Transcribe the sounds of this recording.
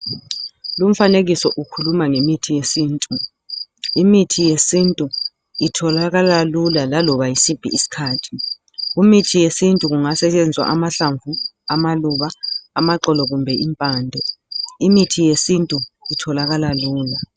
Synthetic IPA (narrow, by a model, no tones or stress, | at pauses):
lum̩faneɣisɔʔukʰulumaŋemitʰijesiːntʼu | imitʰijesintʼu | itʰɔlaɣalalulalalɔβajisipʰḭisi̥kʰaːtʰi̥ | ɣumitʰijesintʼuɣ̬uŋasɛt͡ʃʼend͡zʱwa̰ʔamaɬaɱvu | amaluβaːmaǃɔlɔɣumbʱɛʔimpʼaːndʱɔimitʰijesintʼuitʰɔlaɣalaluːla